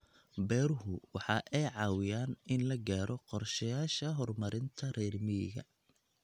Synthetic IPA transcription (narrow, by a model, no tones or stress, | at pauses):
bɛːɾʊhʊwɑħɑːʔɛjʕɑːwɪjaːnɪnlɐɡaːɾʔɔqɔrʃɐjaːʃɐɦɔrmɐɾɪnt̪ʰɐrɛːrmɪjɪ̰ɣɐ̰